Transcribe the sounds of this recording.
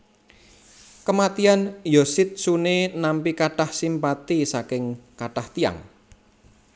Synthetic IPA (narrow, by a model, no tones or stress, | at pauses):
kəmat̪ianjosɪt̪̚sunenampikaʈahsimpat̪isakɪŋkaʈaht̪ia̰ŋ